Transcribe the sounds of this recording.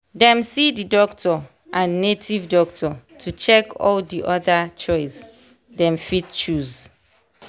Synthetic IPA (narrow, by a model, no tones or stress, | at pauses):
dɛ̃msididɔktʰɔ | ʔãnːetʰivdɔk̚tʰɔtʰut͡ʃɛkɔ̰ldiʔɔdat͡ʃɔɪs | dɛ̃mfit̚t͡ʃuz